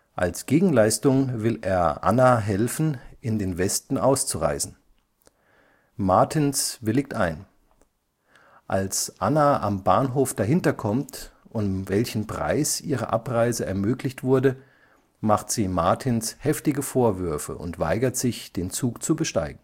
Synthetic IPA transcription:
ʔa̰lsɡ̥eːɡŋ̩laɪstʊŋvɪlḛːɐʔa̰naɦɛlfn̩ʔɪndeːnvɛstn̩ʔaʊst͡suʁa̰ɪzn̩ | maɐtʰɪnsvɪlɪk̚tʔaɪn | ʔalsʔanaʔambaːnɦoːfd̥aɦɪntɐkʰɔmtʔʊnvɛlçn̩pʁ̥a̰ɪsʔiːʁə̰ʔapʁaɪzəɛɐmøːklɪçtv̥ʊɐdə | maχtz̥iːmaɐtʰɪnshɛftɪɡəfoːɐvʏɐfə̰ʔʊ̰ntv̥a̰ɪɡɐtz̥ɪçd̥eːnt͡suːkt͡subəʃta̰ɪɡŋ̩

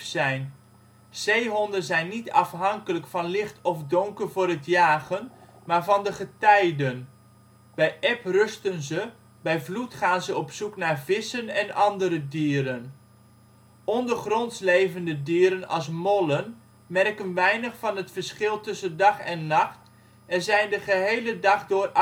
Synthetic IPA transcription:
sɛjn | z̥ejɦɔndənzɛjnːitɑfɦɑŋkələkfɑnlɪχtɔfdɔŋkərvʊːrətjaːɣən | maːɹvɑndəχətɛjdən | bɛjʔɛprɵstənzə | bɛjvlutχaːnzəɔpsuknaːɹvɪsənɛnɑndəɾədiːəɾən | ɔndərχrɔntslejvəndədiːɾənɑ̰lˠs̬mɔlən | mɛrkənʋɛjnəχfɑnətfəɹsχɪlˠtɵsəndɑχɛnːɑχt | ɛrzɛjndəχəɦejlədɑχdʊːr

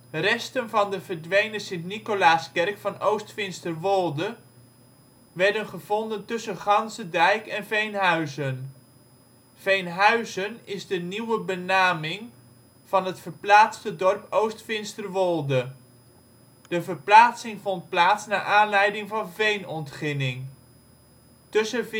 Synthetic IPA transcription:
rɛstənvɑndəvəɹdʋejnəsɪntnikolaːskɛrkfɑnowstfɪnstərʋɔlˠdə | ʋɛɹdənχəvɔndəntɵsənχɑnsədɛjkɛnvejnɦœɥzən | v̥ejnɦœɥzənɪzdəniwəbənaːmɪŋ | v̥ɑnɦətfəɹplaːtstədɔrpowstfɪnstərʋɔlˠdə | d̥əvəɹplaːtsɪŋvɔnt̚plaːtsnaːʔaːnlɛjdɪŋvɑnvejnɔntχɪnɪŋ | tɵsə

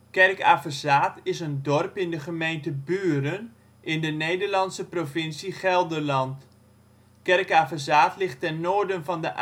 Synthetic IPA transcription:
kɛrkafəzaːtɪsəndɔrpɪndəχəmejntəbyːrən | ʔɪndənejdəɹlɑnsəprovɪnsiχɛlˠdərlɑnt | kɛrkaːfəzaːtlɪχtɛnːoːɹdənvɑndəʔ

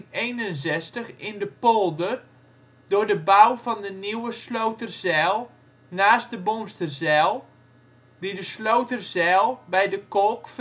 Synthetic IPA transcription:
ejnənzɛstəχɪndəpolˠdər | dʊrdəbawfɔndəniwəslowtərzɛlˠ | naːst̚dəbonstərzɛlˠ | didəslowtərzɛːlˠbɛjdəkolˠkf

